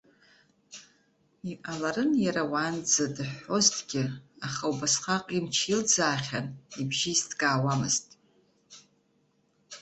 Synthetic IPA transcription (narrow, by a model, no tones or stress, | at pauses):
iʔalaɾɨnjaɾawand͡zadɨħo̞ztʼɡʲɪaχawbasχaqʼimt͡ʃʰild͡zaːχʲanibʒizdɡʼaːwamɨ̰ztʼ